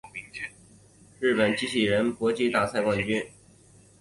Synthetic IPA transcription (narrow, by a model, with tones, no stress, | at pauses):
ɻ̩˥˩pə˨˩nt͡ɕi˥ɕʰi˨˩ɻə˧˥npwɔ˧˥t͡ɕi˥˧t̪a˥˧sa˥˧ɪkwɑ˥˩ŋt͡ɕy˥n